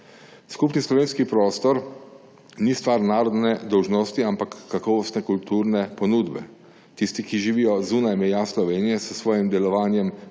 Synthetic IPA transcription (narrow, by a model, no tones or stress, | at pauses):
skupnislɔʋeːnskipɾɔːst̪ɔɾ | nist̪ʋaːɾnaːɾɔd̪nɛd̪ɔwʒnɔst̪iampakːakɔːʋɔst̪nɛkult̪uːɾnɛpɔnuːd̪bɛ | t̪ist̪ikiʒiʋiːjɔzuːnajmɛjaːslɔʋeːnijɛsəsʋɔːjimd̪ɛlɔʋaːnjɛm